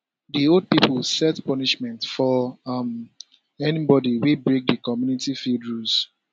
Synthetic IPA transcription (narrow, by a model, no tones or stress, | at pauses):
diold̚piplsɛtpɔniʃmɛ̃ntfɔm | ɛnibɔdiwibɹek̚dikɔmjunitifildɹus